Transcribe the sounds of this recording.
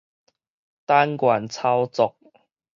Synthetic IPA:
t̪a˧˥nkwa˨˩nt͡sʰa˧˥wt͡sʊ˨˩k̚

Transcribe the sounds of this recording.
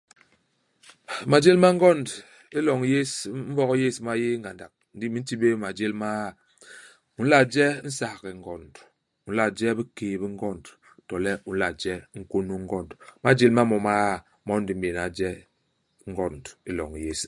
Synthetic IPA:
ma˨d͡ʒe˦lma˦ŋ˦ɡɔ˦nd | e˦lɔ˨ŋ˨˦je˦sm̩˦vɔ˦kje˦sma˦je˦ŋ̩ɡa˨nda̰˨k̚n̩˦di˦mi˨n̩˦ti˦be˦ma˨d͡ʒe˦lma˦˨ | u˨n̩˦la˨d͡ʒɛ˦n̩˦sa˨ɣɛ˨ŋ̩˦ɡɔ˨nd | u˨n̩˦la˨d͡ʒɛ˦bi˦keː˨bi˦ŋ̩˦ɡɔ˦˨nd | tɔ˨lɛ˦u˨n̩˦la˨d͡ʒɛ˦ŋ̩˦ko˦nu˦ŋ˦ɡɔ˦ndma˨d͡ʒe˦lma˦mɔ˨ma˦˨ | mɔ˦n̩˦di˨m̩˦be˨na˨d͡ʒɛ˦ | ŋ̩˦ɡɔ˦ndi˦lɔ̰˨ŋ˨je˦s

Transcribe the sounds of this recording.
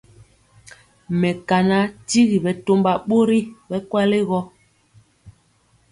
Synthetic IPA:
mɛ˨ka˨na˨˦ti˦ɣi˨bɛ˨to˦mba˨ɓo˦ɾi˦bɛ˦kwa˦le˦ɣɔ˦

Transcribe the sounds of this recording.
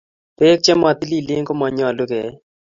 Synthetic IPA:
pe˦k̚t͡ʃɛ˦ma˨t̪i˦li˦lɪ˦ŋko˦mɔ˨ɲɔ˨lu˦ɡɛ˨

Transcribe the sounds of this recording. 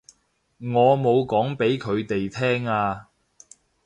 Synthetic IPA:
ŋɔː˨˧mo˨˧wkɔː˨˥ŋpe˨˥jkʰɵ˨˧ɥt̪e˨jt̪ʰɛː˥ŋaː˧

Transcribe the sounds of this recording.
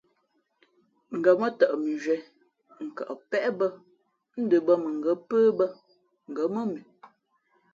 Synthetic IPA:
ŋ̩˨ɡə˨mə˦tə˨ʔmi˨ʒɥɛ˨˦ | ŋ̩˨kə̰˨ʔpɛ˦ʔbə˦ | n̩˦də˨bə˦mə˨ŋ˨ɡə˨˦pəː˦bə˦ | ŋ̩˨ɡə˨˦mə˦mi˨

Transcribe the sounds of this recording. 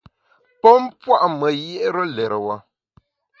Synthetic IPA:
pɔ˦mpwa˦ʔmə˨je˦ʔɾə˦lɛ˨ɾə˨wa˨

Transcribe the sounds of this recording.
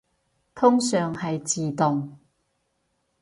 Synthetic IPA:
t̪ʰʊ˥ŋsœː˨ŋhɐ˨jt͡siː˨t̪ʊ˨ŋ

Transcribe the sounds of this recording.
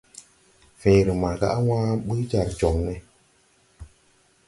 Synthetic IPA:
fɛ̃˨ɾɨ˨ma˨ɾka̰˦ʔa˦wãː˦ɓɨ˦d͡ʒa˨ɾd͡ʒɔ˨ŋnɛ˨

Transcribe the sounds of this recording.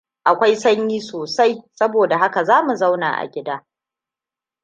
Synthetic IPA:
ʔa˨kʷa˦jsɐ˦ɲjiː˦soː˨sa˦jsɐ˦boː˨da˨ɦa˦ka˨zaː˦mu˨za˦wna̰ː˨ʔa̰˨ɡʲɪ˦daː˦

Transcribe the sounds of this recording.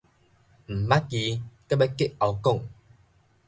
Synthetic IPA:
m̩˨˩ma˦ki˧ka˦˨ba˦ke˦a˧wkɔ˥˨ŋ

